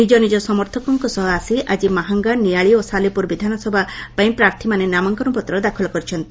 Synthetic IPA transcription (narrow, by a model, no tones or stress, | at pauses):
nid͡ʒɔnid͡ʒɔsɔmɔɾt̪ʰɔkɔŋkɔsɔɦɔasiʔad͡ʒimaɦaŋɡanijaɭiosalipuɾbid̪ʱanɔsɔbʱapaj̃pɾaɾt̪ʰimanenamɔŋkɔnupɔt̪ɾɔd̪akʰɔlɔkɔɾit͡ʃʰɔnt̪i̥